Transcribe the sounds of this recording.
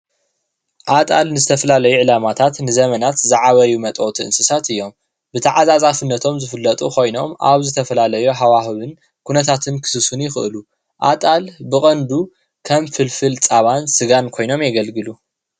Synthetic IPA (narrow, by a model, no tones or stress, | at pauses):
ʔat̪ʼalnɨzɨt̪ʰɐfɐlalɐjuʕɨlamat̪ʰat̪nɨzɐmɐnat̪zaʕaβɐjumɐt̪ʼot̪ʰiɨ̰nsɨsat̪ɨjːo̞m | bɨt̪ʰaʕazazʼafɨnːɐt̪ʰo̞mzɨfɨlːɐt̪ʼṵkʰo̞jno̞mʔa̰βzɨt̪ʰɐfɐlalɐjuɦawahɨβɨn | kʰunɐt̪ʰat̪ʰɨnkʰɨ̥sɨsunjɪxɨʔɨlu | ʔa̰t̪ʼalbɨkʼɐnd̪u | kʰɐmfɨlfɨlt͡sʼaβansɨɡankʰo̞jno̞mjɛɡɐlɡɨlu